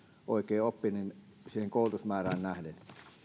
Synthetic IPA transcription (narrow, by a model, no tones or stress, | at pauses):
ʔo̰ˑekˑeːopːinin | siːheŋkoˑulut̪usmæːræːnnæhlen